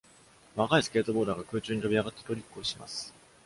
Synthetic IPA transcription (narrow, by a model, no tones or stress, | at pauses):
βakaisɨ̥kʲe̞ːt̪o̞bo̞ːd̪aɡakɯ̟ːt͡ɕɨːɲ̟it̪o̞bʲiaɡat̪ːe̥t̪o̞ɾʲikːɯ̟oɕima̰sɨ̥